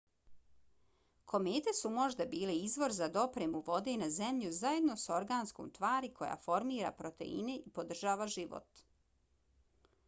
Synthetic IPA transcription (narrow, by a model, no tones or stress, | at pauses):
kʰo̞meːt̪e̞sumo̞ʒd̪abiːleizʋo̞ɾzad̪o̞pɾemuʋo̞d̪enazemʎuzaje̞d̪noso̞ɾɡaːnsko̰mt̪ʋaːɾikʰo̞ja̰fo̞ɾmiːɾa̰pɾot̪e̞̰ḭneʔipo̞d̪r̩ʒaːʋaʒiʋo̰t̪